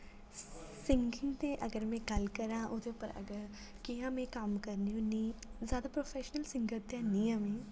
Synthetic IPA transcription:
sɪŋɡɪ̃ŋɡt̪eːʔəɡəɾmɛ̃ːɡəlkəɾãːʔoːd̪eupəɾə̰ɡəɾ | kiãːmɛ̃ːkəmkəɾniũnĩːzjaːd̪aːpɾoːfʰɛːʃnəlsɪŋɡəɾt̪ãːnĩːãːmẽː

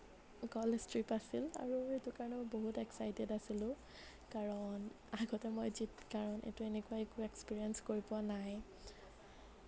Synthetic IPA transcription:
kɔlistɹipasila̰ɹuetʊkaɹɔnɛmɔboɦutɛksajdɛdasilʊ̃ | kaɹɔn | aɡɔtɛmojzitkaɹɔnʔḛtʊenekʊaekʊɛkspiɹiɛnskoɹipɔanaj

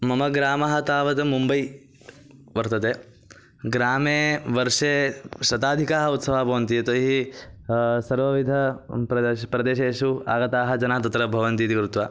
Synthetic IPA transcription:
mɐmɐɡɾaːmɐɦɐt̪aːʋɐt̪ɐmumbɐj | ʋɐɾt̪ɐt̪eː | ɡɾaːmeːʋɐɾʂeːʃɾɐt̪aːd̪ʱikaːɦɐut̪sɐʋaːbʱɐʋɐnt̪ijɐt̪oɦi | sɐɾʋɐʋid̪ʱɐpɾɐpɾɐd̪eːʃeːʂua̰ːɡɐt̪aːɦɐd͡ʒɐnaːt̪ɐt̪ɾɐbʱɐʋɐnt̪iːt̪ikɾut̪ʋaː

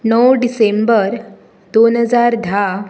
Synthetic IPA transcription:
nəwɖisembəɾ | d̪onɦəd͡zaɾd̪ʱa

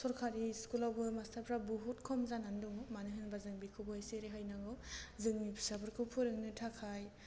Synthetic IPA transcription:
sɔɾkʰaɾiskulawbɯmastʰaɾpʰɾabuɦut̚kʰɔmzananduŋmanɯɦɯnbazɯŋbikʰɯbɔaseɾeɦajnaɡɔzɯŋmipʰi̥sabɯɾkʰɯwpʰuɾɯŋnɯtʰakʰaj

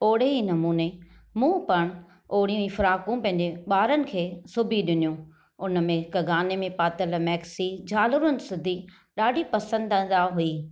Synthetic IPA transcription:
oːɽeɦinɐmuːne | mũːpɐɽ̃ | oːɽijũĩfʊɾaːkũpɐ̃ɦɪ̃ɲ̆d͡ʑeɓaːɾənɪ̆kʰeːsʊbʱiɗɪnijũ | ʊnəmẽkɐɡaːnemẽpaːt̪əlmɛːksid͡ʑaːlʊɾʊnɪ̆sʊd̪ʱi | ɗaːɖʱipɐsə̃nd̪ə̃d̪aɦuiː

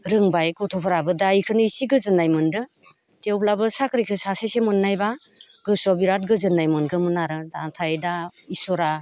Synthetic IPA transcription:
ɾɯŋbajkɔtʰɔpʰɔɾabɯdajkʰɯnɯisiɡɯzɯnajmɯndɯ | tewplabɯsakɾikʰɯsasajsemɯnːajba | ɡɯsɔbiɾat̚ɡɯzɯnːajmɯnɡɯmɯnaɾɯdatʰajdaisɔɾa

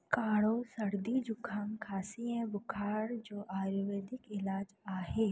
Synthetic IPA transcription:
kaːɽosɐɽd̪id͡ʒʊkʰːaːŋkʰaːsiɦɛ̃bʊkʰaːɾd͡ʒoːʔaːɾoʋeːd̪ɪkɪlaːd͡ʒaːɦeː

